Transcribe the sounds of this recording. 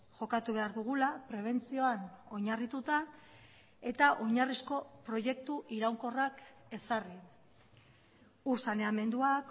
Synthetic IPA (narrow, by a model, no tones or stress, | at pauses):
ʝo̞kat̪uβ̞e̞aɾðuɣ̞ulapɾe̞β̞e̞nt͡sio̞ano̞ɲarit̪ut̪a | e̞t̪aʔo̞ɲarisko̞pɾo̞je̞k̚t̪uʔiɾawŋko̞rake̞sari | uɾsane̞ame̞nd̪uak